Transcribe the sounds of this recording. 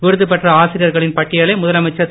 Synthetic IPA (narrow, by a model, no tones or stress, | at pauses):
ʋɪɾɯðɯpɛʈrɐaːsɪɾɪjɐɾɣɐɭɪnpɐʈːɪjɐɭɐɪmʊðɐlɐmɐɪt͡ʃːɐ